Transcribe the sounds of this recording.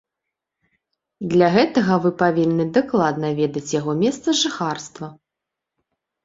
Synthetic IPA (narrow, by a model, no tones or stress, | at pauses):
d̪lʲaɣɛt̪ɐɣɐvɨpavʲinːɨd̪aklˠad̪nɐvʲɛd̪ɐt͡sʲjaɣɔmʲɛst̪sɐʐɨxarst̪vɐ